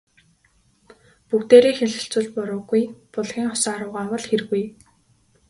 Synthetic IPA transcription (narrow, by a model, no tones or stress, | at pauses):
pukt̪eːɾiːxeɮɘ̆ɬt͡sɘ̆ɮpʊɾʊːɡujpʊɮɣʲiːŋχɔsaːɾʊːʁaːwə̆ɮxerɣuj